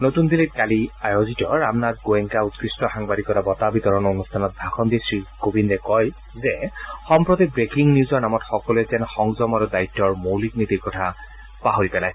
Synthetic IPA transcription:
notund̪ʱilit̚kaliajozitɔɹamnatɡoɛŋkaut̚kɹistɔxaŋbadikɔtabɔtabitɔɹɔnɔonustʰanɔt̚dʱaxʰɔndisɹikobindɛkɔj | zɛxɔmpɹotibɹekiŋniuzɔɹnamɔtxɔkɔluɛzɛnxɔŋzɔmaɹudaitːɔɹmowlik̚nitikɔtʰa | paɦoɹipɛlaj

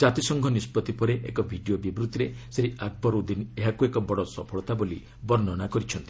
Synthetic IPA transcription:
d͡ʒat̪isɔŋɡʱɔnispɔt̪ipɔɾeḛkɔbʱiɖiobibɾut̪iɾeseɦiʔaɡ̚bɔɾud̪ineɦakuekɔbɔɽɔsɔ̰pʰɔɭɔt̪aboli | bɔɾnɔnakɔɾit͡ʃʰɔnt̪i̥

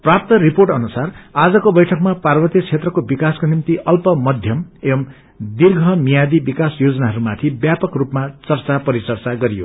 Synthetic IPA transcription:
prap̚t̪ʌriporʈʌnusarad͡zʌkobʌjʈʰʌkmaparbʌt̪jit͡sʰet̪rʌkobikaskonimt̪iʔʌlpʌmʌd̪ʱjʌmebʌm | d̪irɡʱʌmijad̪ibikasjod͡zʌnaɦʌɾumat̪ʰibjapʌkrupmat͡sʌrt͡sapʌɾit͡sʌrt͡saɡʌɾijo̰

